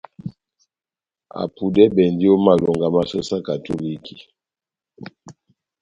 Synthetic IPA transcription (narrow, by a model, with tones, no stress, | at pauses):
a̰˨pu˨dɛ˦bɛ˨ndi˦o˦ma˨lɔ˨ŋɡa˨ma˦sɔ˦sa˦ka˨to˦li˦ki˨